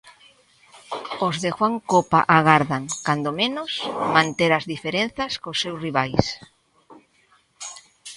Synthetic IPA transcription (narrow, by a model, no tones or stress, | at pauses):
ozðexwaŋkopaʔaɣ̞aɾðaŋkand̪omẽnʊsmãnt̪eɾazðifeɾenθaskosːewsriβajs